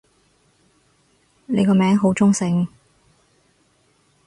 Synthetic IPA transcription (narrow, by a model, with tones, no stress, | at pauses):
ne˨˧jkɔː˧mɛː˨˥ŋɦo˨˥wt͡sʊ˥ŋsɪ˧ŋ